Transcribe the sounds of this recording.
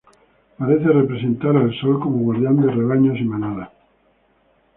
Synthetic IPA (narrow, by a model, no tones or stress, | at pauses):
paɾeθerepɾesẽnt̪aɾalsolko̞moɣwaɾðjand̪ereβ̞aɲosimanaða